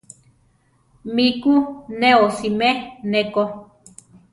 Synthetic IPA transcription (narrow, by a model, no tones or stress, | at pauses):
mikuneosimeneko